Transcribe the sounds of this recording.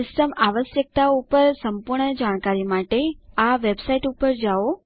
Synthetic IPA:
ɪsʈəmaʋəsjək̚t̪aupəɾsəmpuɾɳəd͡ʒaɽ̃kaɾimaʈeaʋebsaiʈupəɾd͡ʒao

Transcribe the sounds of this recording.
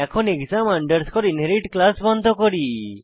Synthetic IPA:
ɛkʰɔneɡzamaɳɖəɾskʰɔɾinɦeɾiʈklasbɔnd̪ʱɔkɔɾi

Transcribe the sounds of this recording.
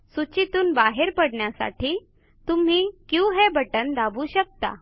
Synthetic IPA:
sut͡ɕit̪uːnbaɦeɾpəɽɳjasa̰ʈiː | t̪um̤iːkjũːɦebəʈənd̪abuːɕək̚t̪a̰

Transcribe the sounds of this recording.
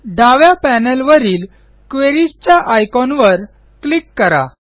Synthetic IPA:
ɖaʋjapænəlʋəɾiːl | kʋeɾist͡ɕjaʔajkɔnʋəɾ | klikːəɾa̰

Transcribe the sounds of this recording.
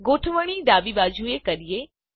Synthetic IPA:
ɡoːʈʰʋəɽ̃id̪aːbibaːd͡ʒʱuekɐɾije

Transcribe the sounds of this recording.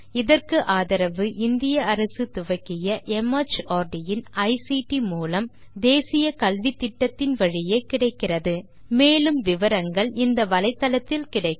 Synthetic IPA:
ɪðɐrkɯʔaːðɐɾɐʋɯʔɪnd̪ɪjɐɐɾɐsɯt̪ʊʋɐkːɪjɐʔɛmɐt͡ʃaːɾɖɪjɪnɐɪsiʈːimuːlɐm | d̪eːsɪjɐkɐlʋɪt̪ːɪʈːɐt̪ːɪnʋɐɻɪjeːkɪɽɐɪkːɪrɐðɯ | meːlɯmʋɪʋɐɾɐŋɡɐɭɪnd̪ɐʋɐlɐɪt̪ːɐlɐt̪ːɪlkɪɽɐɪ

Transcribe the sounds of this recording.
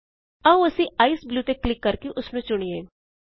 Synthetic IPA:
ɐũɐsĩaːisbljuːt̪eklɪkːɐɾkeʔʊsnũːt͡ʃʊɽ̃ieː

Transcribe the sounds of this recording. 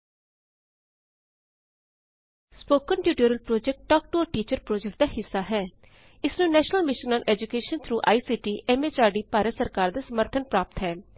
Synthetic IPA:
spoːkənʈjuːʈiəɾəlpɾoːd͡ʒɛk̚ʈʈɔːk̚ʈoːʈiːt͡ʃəɾpɾoːd͡ʒɛk̚ʈ̚d̪aːɦɪsːaːɦɛː | ɪsnũːnɛːʃnəlmɪʃənãːnʔɛːd͡ʒukeːʃənt̪ʰɾuːʔa̰ːiːsiːʈiːʔɛːmeːt͡ʃaːɖiːpaːɾəsəɾkaːɾd̪aːsəməɾt̪ʰənpɾaːp̚t̪ɦɛː

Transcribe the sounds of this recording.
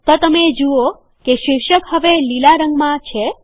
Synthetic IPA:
t̪ot̪əmed͡ʒuo | keʃɪʃəkɦəʋelilaɾəŋɡmãt͡ʃʰe

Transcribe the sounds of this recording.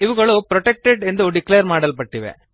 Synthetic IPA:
ɪʋɯŋɡɐɭopɪɾɔʈɛk̚ʈɛɖɛnd̪ɯɔɾɖɪkleːɐɾmaːɽɐlpɐʈːiʋḛ̃ː

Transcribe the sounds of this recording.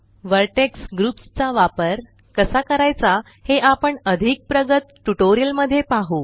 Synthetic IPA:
ʋəɾʈeksɡɾupst͡saʋapəɾ | kəsakəɾajt͡sa | heʔapəɳəd̪ʱik̚pɾəɡət̪ʈuʈoɾijəlməd̪ʱːjepaɦuː

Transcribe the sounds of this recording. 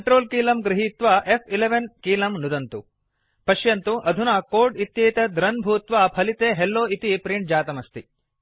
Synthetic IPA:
ɐɳʈɾoːlkiːlɐmɡɾiɦit̪ʋɐʔepʰileʋɐnkiːlɐmnud̪ɐnt̪u | pɐʃjɐnt̪uʔɐd̪ʱunɐkoːɾɖit̪jeːt̪ɐd̪ɾɐnbʱuːt̪ʋapʰɐlit̪eːɦelːoːit̪ipɾiɳʈ̚d͡ʒaːt̪ɐmɐst̪i

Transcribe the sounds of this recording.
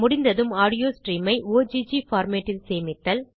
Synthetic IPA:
mʊɽɪnd̪ɐðɯmaːɽɪjoːsʈriːmɐɪoːd͡ʒiːd͡ʒifaːɾmeːʈːɪlseːmɪt̪ːɐl

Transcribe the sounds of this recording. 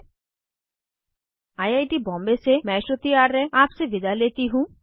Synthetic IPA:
ajajʈibɔmbesemɛʃot̪iaɾeapsebid̪alet̪iɦũ

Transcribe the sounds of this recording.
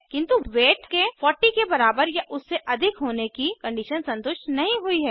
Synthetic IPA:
kɪ̃nt̪uʋeːʈkefɔːɾʈikebɐɾaːbəɾjaʔʊsːeʔɐd̪ʱɪkɦoːnekikɐ̃ɳɖiʃənsɐ̃nt̪ʊʃʈnɐɦĩɦʊiɦɛː

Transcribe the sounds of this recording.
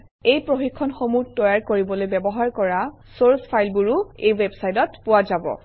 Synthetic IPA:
ejpɹoxikʰːɔnxomutɔjaɹkoɹibɔlojbɛbɔɦaɹkɔɹa | soɹspʰajlbuɹuejwebsajtɔtpʊwazabɔ̰

